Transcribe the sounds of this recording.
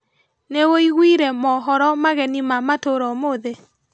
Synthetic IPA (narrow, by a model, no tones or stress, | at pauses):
newoiɣwiɾɛmɔɦɔɾɔmaɣɛnimamatoɾɔmoðe